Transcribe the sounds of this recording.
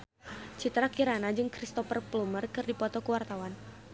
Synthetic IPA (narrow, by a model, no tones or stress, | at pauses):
t͡ʃit̪ɾakiɾanad͡ʒɨŋkɾist̪ɔfərplumərkɨrdipɔt̪ɔkəwart̪awan